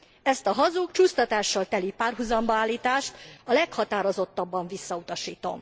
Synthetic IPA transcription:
ɛst̪ɒɦɒzukt͡ʃuːst̪ɒt̪aːʃːɒlt̪ɛlipaːrɦuzɒmbɒaːlːiːt̪aːʃt̪ɒlɛkhɒt̪aːɾo̞zo̞t̪ːɒbːɒɱvisːɒut̪ɒʃiːt̪o̞̰m

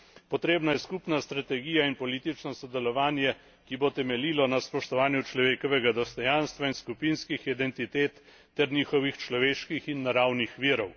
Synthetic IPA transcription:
pɔt̪ɾeːbnajɛskupnast̪ɾat̪ɛɡiːjainpɔliːt̪it͡ʃnɔsɔd̪ɛlɔʋaːnjɛ | kibot̪ɛmɛliːlɔnaspɔʃt̪ɔʋaːnjut͡ʃlɔʋeːkɔʋɛɡad̪ɔst̪ɔjaːnst̪ʋainskupinskixid̪ɛnt̪it̪eːt̪ː | ɛɾniːxɔʋixt͡ʃlɔʋeːʃkixinːaɾawnixʋiːɾɔw

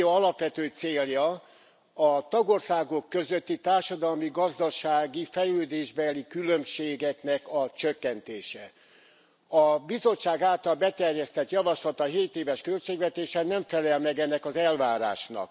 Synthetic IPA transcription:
oɒlɒpʋɛt̪øːt̪seːljɒ | ɒt̪ɒɡo̞rsaːɡo̞kːø̞zøt̪ːit̪aːrʃɒd̪ɒlmiɡɒzd̪ɒʃaːɡifɛjløːd̪eːʒbɛlikylømʃeːɡɛknɛkɒt͡ʃøkːɛnt̪eːʃɛ | ɒbizo̞t͡ʃːaːɡaːlt̪ɒlbɛt̪ɛrjɛst̪ɛt̪jɒvɒʃlɒt̪ɒɦeːt̪eːvɛʃkø̞lt͡ʃeːɡʋɛt̪eːʃɛnɛɱfɛlɛlmɛɡɛnːɛkɒzɛlvaːɾa̰ːʃnɒ̰k

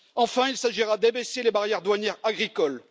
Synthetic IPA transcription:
ɑ̃fɛ̃ilsaʒiʁad̪ebeselebaʁjɛʁd̪waɲjɛʁaɡʁikɔl

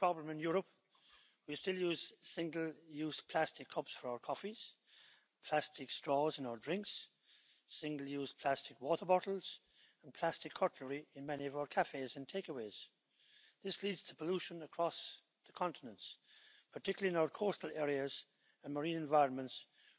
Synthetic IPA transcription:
pʰɹ̥ɑblə̃mɨ̃njʊɹəp | wistɪlˠjuz̥sɪ̃ŋɡl̩ˠjʉzpʰl̥æstɨkʰʌpsfə˞aʊə˞kʰɔfiz̥ | pʰl̥æstʰɨkstɹ̥ɔzɨ̃naʊə˞dɹɪ̃ŋks | sɪ̃ŋɡl̩ˠjuzpʰl̥æstɨkwɔɾə˞bɑɾl̩ˠz̥ | ə̃npʰl̥æstɨkʰːɔɹʔ̩əɹiɨ̃nmɛniʌvaʊə˞kʰæfeɪzɨ̃ntʰeɪkəweɪz̥ | ðɪslidz̥tʰə̥pʰəluʃə̃nəkʰɹ̥ɔs | ðəkʰɑ̃ntənə̃nts | pʰətʰɪkjl̩lˠiɨ̃naʊə˞kʰɔɹstl̩ˠɛɹiɨz | ə̃nməɹĩnɨ̃nvaɪɹə̃nmə̃nts

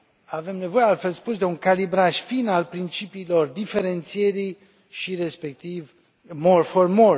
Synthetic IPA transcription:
ave̞mne̞vo̞jealt̪fe̞lspusd̪e̞uŋkalibɾaʃfinalpɾint͡ʃipiːlo̞rd̪ife̞ɾe̞nt̪sie̞ɾij | ʃiɾe̞spe̞k̚t̪iv | morformo

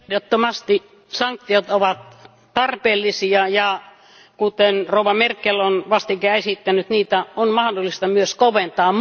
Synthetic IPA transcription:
dot̪ːomɑst̪i | sɑŋk̚t̪ːiot̪oʋɑt̪ | t̪ɑrpeːlːisiɑjɑ | kut̪enrouʋɑmerkːelonʋɑst̪ikæˑesit̪ːænyt̪niːt̪æonmɑhdolːˑist̪ɑmyøskoʋent̪ɑː

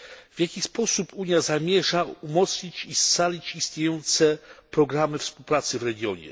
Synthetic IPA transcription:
v̥ʲjakʲixspɔsupʰuɲjazamʲjɛʐaumɔt̪sʲit͡ɕist̪salʲit͡ɕist̪ɲejɔnt̪sɛpɾɔɡɾamɘfspuwpɾat̪sɘvɾɛɡʲjɔɲɛ̰

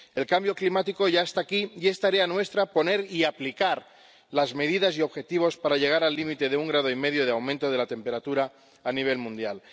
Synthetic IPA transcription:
e̞lkambjo̞klimat̪iko̞ʝaest̪akije̞st̪aɾeanwe̞st̪ɾapo̞ne̞ɾiaplikaɾ | lazme̞ð̞iðasio̞βxe̞t̪iβ̞o̞spaɾaʎe̞ɣ̞aɾalːimit̪e̞ðeuŋɡɾað̞o̞ime̞ðjo̞ð̞eawmẽnt̪o̞ð̞e̞lat̪e̞mpe̞ɾat̪uɾaː | niβ̞e̞lmũnd̪jal

